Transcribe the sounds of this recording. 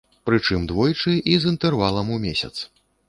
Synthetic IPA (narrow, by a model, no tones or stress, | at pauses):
pɾɨt͡ʂɨmd̪vɔjt͡ʂɨʔizint̪ɛrvalˠɐmumʲɛsʲɐ̰t̪s